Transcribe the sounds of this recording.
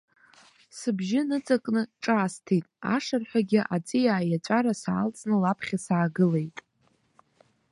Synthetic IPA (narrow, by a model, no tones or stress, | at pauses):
sɨbʒɪnɨt͡sʼakʼnɨʈ͡ʂʼaːstʰejtʼa̰ʂarħʷᶣaɡʲɪʔat͡sʼijaːjat͡ɕʷʼaɾasaalt͡sʼnɨlapʰχʲasaːɡɨle̞jtʼ